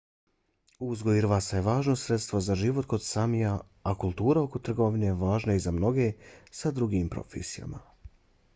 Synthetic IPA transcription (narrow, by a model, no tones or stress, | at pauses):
uzɡoiɾʋasajeʋaːʒnosɾet̪st̪ʋozaʒiʋo̞t̪ko̞d̪samija | akulˠt̪uːɾao̞ko̞t̪r̩ɡo̞ʋineʋaːʒnaizamno̞ɡe̞sad̪ɾuɡiːmpɾo̞̰fḛsija̰ma̰